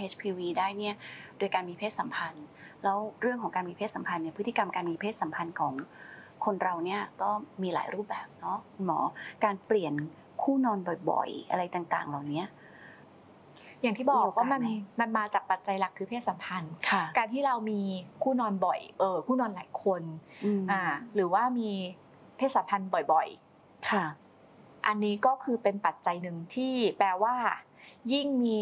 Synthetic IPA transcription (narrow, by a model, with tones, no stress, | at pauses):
ʔe˦˥t͡ɕpʰiː˧wiː˧daː˥˩jni˥˩ɐdo˧əjkaː˧nmiː˧pʰeː˥˩t̪sa˩˦mpʰa˧n | lɛː˦˥wɾɯ˥˩əŋʰɔ˩˦ŋkaː˧nmiː˧pʰeː˥t̪̚sa˨˩˦mpʰa˧nːi˦˥˩pʰɯ˦˥t̪ʰːi˧ka˧mkaː˧nmiː˧pʰeː˥˩t̪̚sa˨˩˦mpʰa˧nkʰɔː˩˦ŋkʰo˧nɾa˧wni˥˩ɐk̪ɔː˥˩miː˧la̰ː˩˦jɾuː˥˩p̚bɛː˨˩p̚nɔ˦˥˧nmɔː˩˦kaː˧npli˨˩ən | kʰuː˥˩nɔː˧nbɔ˨˩jbɔ̰˨˩jʔa̰˧ɾa˧jt̪aː˨˩ŋt̪a̰ː˨˩ŋlaː˨˩wni˦˥ɐ | jaː˨˩ŋt̪ʰiː˥˩bɔ˨˩k̚waː˥˩ma˧nma˧nmaː˧t͡ɕaː˨˩k̚pa˨˩t̪̚t͡ɕa˧jla˨˩kʰːɯː˧pʰeː˥˩t̪̚sa˩˦mpʰa˧nkʰa˧kaː˧nt̪ʰiː˥˩ɾa˧wmiː˧kʰuː˥˩nɔː˧nbɔ˨˩jʔɤː˧kʰuː˥˩nɔː˧nlaː˩˦jkʰo˧nɯ˧ʔaː˨˩ɾɯː˩˦waː˥˩miː˧ | pʰe˦˥˩saː˨˩˦mpʰa˧nbɔ˨˩jbɔ˨˩j | kʰa˥˩ | ʔa˧nːiː˦˥kɔː˥˩kʰɯː˧pe˧npa˨˩t̪̚t͡ɕa˧jnɯ˨˩ŋt̪ʰiː˥˩plɛː˧waː˥˩ji˥˩ŋmiː˧